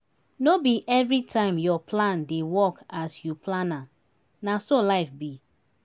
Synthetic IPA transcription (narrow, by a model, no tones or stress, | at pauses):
nobiʔɛvɹitʰãɪ̃mjɔpʰlãndewɔkasjupʰlãnãm | nasolaɪfbi